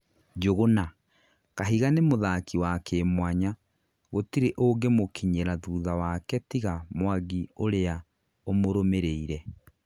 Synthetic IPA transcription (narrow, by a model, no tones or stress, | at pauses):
d͡ʒoɣona | kaɦiɣanemoðaːkiwakemwaɲa | ɣotiɾeʔoːɡemokʰiɲeɾaðuuðawakɛtiɣamwaɣioɾea | omoɾomeɾeiɾɛ